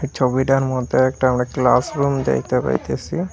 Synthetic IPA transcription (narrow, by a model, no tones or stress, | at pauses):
t͡ʃʰobiɖaɾmɔd̪eɛk̚ʈaamɾakla̰sɾumd̪ɛ̰jt̪epa̰jt̪esi